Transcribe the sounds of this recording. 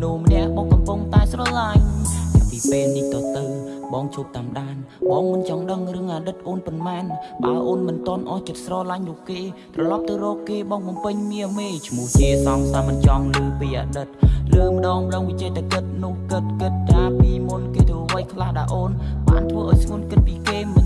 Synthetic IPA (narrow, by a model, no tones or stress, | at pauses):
nuhmənɛ̆əʔɓɑːŋkɑmpuŋt̪aɛsrɑːlaɲhapipeːlniht̪ɑːt̪ɨwɓɑːŋt͡ɕʰuːp̚t̪aːmɗaːn | ɓɑːŋmɨnt͡ɕɑŋɗəŋrɨəŋʔaːɗɨt̪̚ʔoːnponmaːnɓa̰əʔoːnmɨnt̪ŏənʔɑht͡ɕət̪̚srɑːlaɲnʊəhkeːt̪rɑlɑp̚t̪ɨwrɔːkːeːɓɑːŋɓɑmpɨɲmiəmeːt͡ɕʰmuəht͡ɕiəsɑmsajmɨnt͡ɕɑŋlɨːʋiːʔa̰ːɗɨt̪̚lɨːməɗɑːŋrəŋʋit͡ɕəːt̪akɨt̪̚nʊ̆əhkɨt̪̚kɨt̪̚kaːpiːmunkeːt̪ʰɨʋəjkʰlahɗalʔoːnɓa̰ːnt̪ʰʋəːʔaːjsʰŋŭənkɨt̪̚piːkeːm